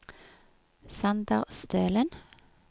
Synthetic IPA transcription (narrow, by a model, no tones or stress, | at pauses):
sɑnd̪ɑʁst̪ʰøːlən